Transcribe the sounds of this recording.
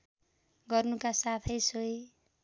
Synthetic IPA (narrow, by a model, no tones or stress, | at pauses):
ɡʌrnukasat̪ʰʌjsoj